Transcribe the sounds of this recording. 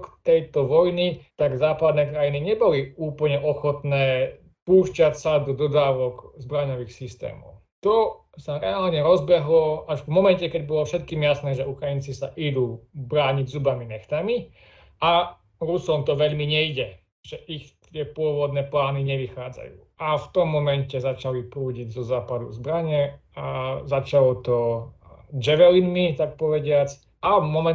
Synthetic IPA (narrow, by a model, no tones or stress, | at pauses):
kt̪ɛjt̪ɔʋɔjnit̪aɡzaːpad̪nɛːkɾajiniɲɛbɔliuːpl̩ɲɛʔɔxɔt̪nɛː | puːʃcacsad̪ɔd̪ɔd̪aːʋɔɡzbɾaɲɔʋixsist̪ɛ̰ːmɔ̰ʊ | t̪ɔ | saɾɛaːlɲɛɾɔzbɛɦlɔaʃvmɔmɛncɛkɛɟbɔlɔfʃɛt̪̚kiːmjasnɛːʒɛukɾajint͡sisaʔid̪uːbɾaːɲiɟzubaminɛxt̪ami | ʔa | ɾusɔmt̪ɔʋɛʎmiɲɛiɟɛ | ʒ̥ɛʔixt̪ɪɛpʊɔʋɔd̪nɛːplaːniɲɛʋixaːd͡za̰jṵːʔaft̪ɔmːɔmɛncɛzat͡ʃalipɾuːɟiɟzɔzaːpad̪ṵzbɾaɲɛazat͡ʃalɔt̪ɔ | d͡ʒɛʋɛlinmit̪ak̚pɔʋɛɟɪat͡s | amɔmɛ